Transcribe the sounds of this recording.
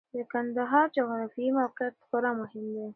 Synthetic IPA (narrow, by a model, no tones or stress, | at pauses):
d̪əkand̪aɦɑɾd͡ʒaɣɾafiimawqɪat̪xoɾamʊɦɪmd̪e